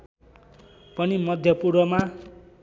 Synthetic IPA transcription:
pʌnimʌd̪ʱjʌpuɾbʌma

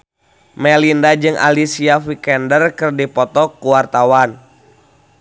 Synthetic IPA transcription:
mɛlindad͡ʒɨŋa̰lisiafikɛndərkɨrdipɔt̪ɔkuwart̪awan

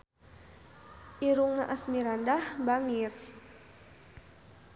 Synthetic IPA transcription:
ʔiɾuŋːaʔasmiɾandahbaŋir

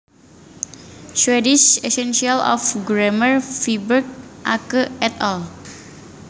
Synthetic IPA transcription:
swediʃesɛnsialɔ̰fɡɾɛmərfibərk̚ʔa̰kəɛt̪ɔl

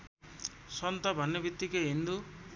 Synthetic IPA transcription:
sɔnt̪abʱanːjebit̪ːikeind̪u

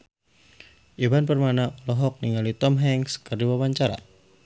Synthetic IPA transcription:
ʔibanpərmanalɔɦɔk̚niŋalit̪ɔmɦɛŋskərdiwabaɲt͡ʃaɾa̰

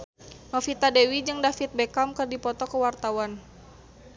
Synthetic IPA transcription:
nɔfit̪adewid͡ʒɨŋdafit̪̚bɛkamkɨrdipɔt̪ɔkəwart̪awan

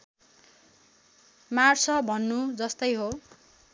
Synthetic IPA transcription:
marsʌbʱʌnːud͡zʌst̪ʌjɦo

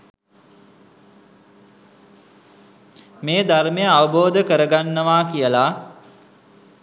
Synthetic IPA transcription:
meːd̪armejəaʋəboːd̪əkəɾəɡanːəʋaːkijəla

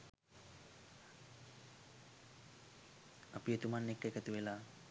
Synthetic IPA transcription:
apijət̪umanːekːəekət̪uʋelaː

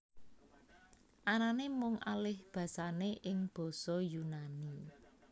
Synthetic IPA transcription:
ʔananemʊŋa̰lɪhb̥ä̤saneʔɪŋb̥ɔ̤sɔjunani

